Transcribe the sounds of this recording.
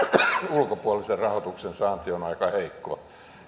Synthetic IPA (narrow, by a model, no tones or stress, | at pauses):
ulkopuɑliserrɑhot̪uksensɑːnt̪ionɑikɑheikːo̰ː